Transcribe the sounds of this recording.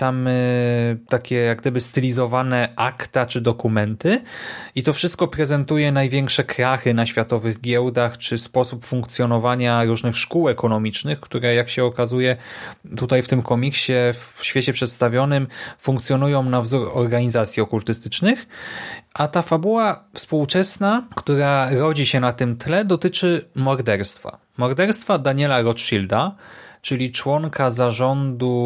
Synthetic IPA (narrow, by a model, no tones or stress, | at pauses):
t̪am | t̪akʲɛjaɡd̪ɘbɘst̪ɘlʲizɔvanɛʔakt̪at͡ʂɘd̪ɔkumɛnt̪ɘit̪ɔfʂɘst̪̚kɔpɾɛzɛnt̪ujɛnajvʲjɛŋkʂɛkʰɾaxɘnaɕfʲjat̪ɔvɘɣɡʲɛwd̪axt͡ʂɘspɔsupfuŋkt̪sʲjɔnɔvaɲaɾuʐnɘxʂkuwɛkɔnɔmʲit͡ʂnɘxkt̪uɾɛjakɕɛɔkazujɛt̪ut̪ajft̪ɘmkɔmʲikɕɛfɕfʲjet͡ɕɛpʂɛt̪st̪avʲjɔnɘmfũŋk̚t̪sʲjɔnujɔ̃w̃navzuɾɔɾɡaɲizat̪sʲjiɔkult̪ɘst̪ɘt͡ʂnɘxʔat̪afabuwafspuwt͡ʂɛsnakt̪uɾaɾɔd͡ʑiɕɛnat̪ɘmt̪lɛd̪ɔt̪ɘt͡ʂɘmɔɾd̪ɛɾst̪fa̰ | mɔɾd̪ɛɾst̪fad̪aɲɛlaɾɔtʂild̪at͡ʂɘlʲit͡ʂwɔŋkazaʐɔnd̪u